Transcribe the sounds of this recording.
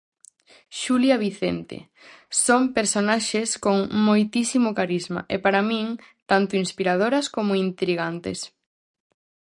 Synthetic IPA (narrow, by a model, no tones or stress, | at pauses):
ʃuljɐβiθent̪ḛ | sompeɾsonaʃeskoŋmojt̪isimʊkaɾizma̰ʔepaɾamĩŋ | t̪ant̪ʊinspiɾað̞oɾɐskomʊint̪ɾiɣant̪ḛs